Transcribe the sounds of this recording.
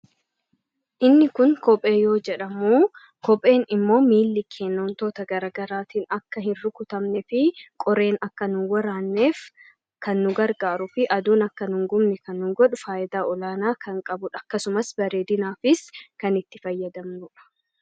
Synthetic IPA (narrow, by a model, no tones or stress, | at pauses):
ʔɪnːɪkʊnkɔpʼe̞ːjo̞ːd͡ʒɛᶑɐmuː | kɔpʼe̞ːnɪmːo̞ːmiːlːɪkʰeːnːoːnt̪oːt̪ɐɡɐɾaːɡɐɾaːt̪iːnɐkːɐhɪnɾʊkʊt̪ɐmnɛfɪkʼɔɾe̞ːnɐkːɐnʊnwɐɾaːnːe̞ːf | kɐnːʊɡɐɾɡaːɾʊfɪʔɐd̪uːnɐkːɐnʊŋɡʊmnɛkɐnːʊŋɡɔᶑʊfaːʔɪd̪aːɔlaːnaːkɐŋkʼɐbʊᶑɐkːɐsʊmɐsbɐɾe̞ːd̪ɪnaːfɪskɐnɪt̪ːɪfɐjːɐd̪ɐmnʊᶑɐ̥